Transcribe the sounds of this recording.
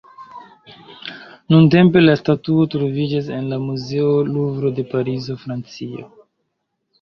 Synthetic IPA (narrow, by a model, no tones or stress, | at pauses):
nunte̞mpe̞lastatuotɾo̞vid͡ʒas̬e̞nlamuzeoluvɾo̞de̞paɾizo̞fɾant͡sio̰